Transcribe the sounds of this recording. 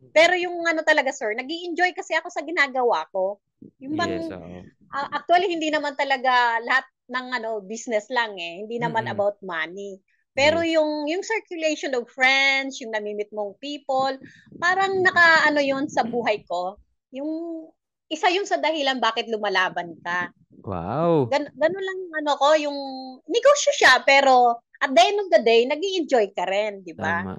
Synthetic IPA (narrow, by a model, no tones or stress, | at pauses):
pɛːɾo̞jʊŋʔɐno̞t̪ɐlɐɡasɛɹnɐɡiʔɪnd͡ʒo̞jkɐsɛʔɐko̞sɐɡɪnaːɡɐwa̰ko̞ | jʊŋbɐŋ | ʔɐʔɐk̚t̪wɐlihɪnd̪inɐmant̪ɐlɐɡalɐhat̪̚nɐŋʔɐno̞bisnɛslaŋʔɛhɪnd̪inɐmanɐbawt̪̚mani | pɛːɾo̞jʊŋjʊŋsɛɹkjʊlɛjʃonɔvfɹɛnd̪sjʊŋnɐmiːmɪt̪̚moŋpiːpol | paːɾɐŋnɐkaʔɐno̞jonsɐbuːɦɐjko̞ | jʊŋ | ʔɪsajʊŋsɐd̪ɐhilɐnbaːkɪt̪̚lʊmɐlaːbɐnkɐ | wa̰wɡɐnɡɐnonlɐŋjʊŋʔɐnoko̞jʊŋnɪɡoːʃjoʃapɛːɾo̞ | ʔɐt̪̚d̪ɐʔɛnd̪ovd̪ɐd̪ɛjnɐɡiʔɛnd͡ʒojkɐɾɛnd̪ɪba